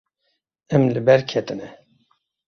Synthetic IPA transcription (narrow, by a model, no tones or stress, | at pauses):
ɛmlɨbɛɾkʰɛt̪ɨnɛ